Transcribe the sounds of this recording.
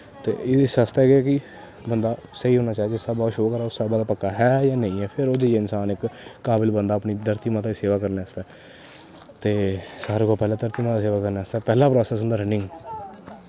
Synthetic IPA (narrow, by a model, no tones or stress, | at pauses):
t̪ḛːɪd̪esast̪ɛːɡaːkɪ | bənd̪aːsəiːɦoːnaːt͡ʃaːd͡ʒɪsaːbaːʃoːkəɾaːʊsabaːd̪aːpəkːaːɦɛːjãːnə̃ĩːɛːpʰɪɾoːd͡ʒejeːɪnsaːnɪkkːaːbɪlbənd̪aːəpniːd̪əɾt̪iːmãːt̪aːiseːʋaːkəɾneːəst̪ɛː | t̪eːsaːɾeːkoːpɛːlaːd̪əɾt̪iːmãːt̪aːs̬eːʋaːkəɾneːəst̪ɛːpɛːlaːpɾɔːsɛːsʊ̃nd̪aːɾɛnɪ̃ŋɡ